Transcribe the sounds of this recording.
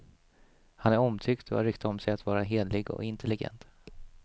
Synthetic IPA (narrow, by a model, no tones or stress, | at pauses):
hanæɾɔmt̪ʰʏkt̪ʰɔ̰a̰ɾʏkt̪aɔmsɛjat̪vɑːɾaɦeːd̪lɪɡɔ̰ɪnt̪ʰɛlɪɡɛ̰nt̪